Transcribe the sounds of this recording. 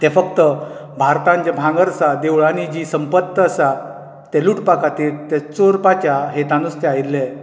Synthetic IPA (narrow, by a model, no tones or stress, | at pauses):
t̪ɛfəkt̪ə | bʱaɾt̪ãɲt͡ɕabʱãŋɡəɾəsad̪ewɭanid͡ʑisəmpət̪ːəːsa | t̪ɛluʈpakat̪iːlt̪ɛt͡soɾpat͡ɕjaɦet̪ãnust̪ɛaiɾle